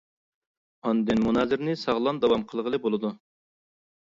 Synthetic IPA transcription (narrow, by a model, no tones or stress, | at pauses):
ɑnd̪ɨnmunɑːzɪɾnɪsɑʁlˠɑnd̪ɑwɑmqʰəlˠʁəlˠɨbolˠɨd̪u